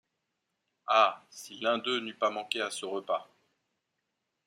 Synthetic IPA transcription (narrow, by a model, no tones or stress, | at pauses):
asilɛ̃d̪ønypamɑ̃kʲeasəʁəpa